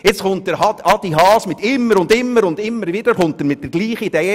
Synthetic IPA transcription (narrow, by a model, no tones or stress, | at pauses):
jɪt͡sχʊnt̚dəɾhɑdɑd̥iɦɑːsmɪt̪ɪmːəɾʊndɪmːəɾʊndɪmːəɾvɪd̥əɾχʊntdəɾmɪt̚d̥ɛɾɡ̥liːχəid̥eː